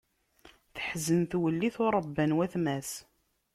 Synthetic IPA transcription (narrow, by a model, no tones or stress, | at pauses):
θəħzənθwəlːiθʊɾˤəbːənwæθmæs